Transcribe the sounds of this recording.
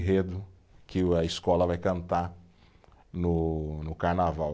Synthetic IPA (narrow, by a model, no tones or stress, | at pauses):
ɦed̪ʊ | kɪɐɪskɔlɐvajkɐ̃nt̪a | nʊnʊkaɾnavaw